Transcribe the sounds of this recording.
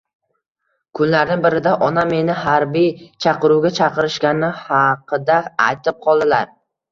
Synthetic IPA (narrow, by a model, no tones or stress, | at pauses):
kʰʊnlaɾnɪnbɪɾɪd̪aʔɒname̞nɪɦaɾbijt͡ʃʰɑqɨɾuwɡʲat͡ʃʰɑqɨɾɪʃkʲanɪhɑqʰɨd̪aːjt̪ʰɪp̚qʰɒlˠd̪ɪlaɾ